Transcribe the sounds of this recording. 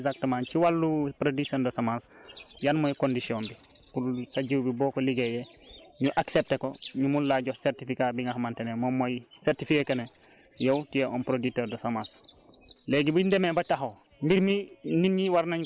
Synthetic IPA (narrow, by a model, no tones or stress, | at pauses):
zak̚təmãːnciwalːupɾodisondɐsamansjanmojkondisionbi | kusaɟiwbibɔːkoliɡejeɲuʔaksep̚tekoɲumullaɟoseɾtifikabiŋɡahmantenemomːojseɾtifikekene | jowtijeʔɔnpɾoditoːɾdɐsamas | leɡibindemebataɦombiɾmininɲiwaɾnaɲ